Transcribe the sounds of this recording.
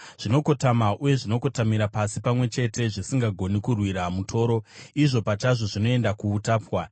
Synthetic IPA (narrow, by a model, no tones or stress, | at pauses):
ʐ̥ino̞ko̞tamaʔuje̞ʐino̞kotamiɾapasipamwe̞t͡ʃe̞te̞ʐisiŋɡaɡʱo̞nikurwiɾamutʰo̞ːɾo̞iʐo̞pat͡ʃaʐo̞ʐino̞e̞ndakuːtaːpwa